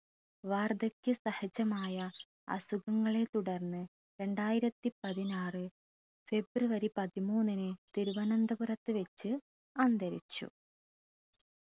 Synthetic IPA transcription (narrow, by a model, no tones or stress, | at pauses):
ʋaːrd̪ɐkʲːɨsɐhɐd͡ʑɐmaːjɐ | ɐ̰suɣɐŋːɐɭe̞t̪uɽɐrnːɨ | ɾe̞ɳɖaːjiɾɐt̪ːipɐðinaːrɨ | fe̞bruʋɐɾipɐðimuːnːinɨt̪iɾuʋɐnɐnd̪ɐburɐt̪ːɨʋet͡ɕːɨ | ɐnd̪ɐɾḭt͡ɕːṵ